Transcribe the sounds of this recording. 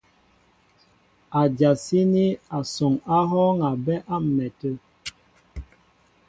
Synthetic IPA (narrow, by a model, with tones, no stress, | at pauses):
a˨d͡ʒa˨si˦ni˦a˨so˨ŋa˦ɦɔ˦ŋa˨bɛ˦ʔa˦m̩˨nɛ˨tə˦